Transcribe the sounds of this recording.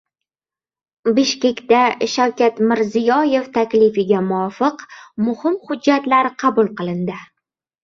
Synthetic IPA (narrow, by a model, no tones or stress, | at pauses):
bɪʃkʲe̞kʲt̪aʃawkʲat̪mɪɾzɪjɒje̞ft̪ʰakʲlɪfɪɡʲamʊɒfɨqmʊhɪmhʊd͡ʒːat̪laɾqʰɑbʊlˠqɨlˠɪnd̪ɪ